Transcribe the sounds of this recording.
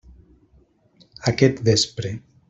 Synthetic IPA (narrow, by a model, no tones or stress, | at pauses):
akɛt̪bespɾe